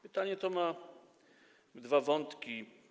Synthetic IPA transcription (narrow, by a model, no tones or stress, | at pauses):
pɘt̪aɲɛt̪ɔma | d̪vavɔnt̪kʲi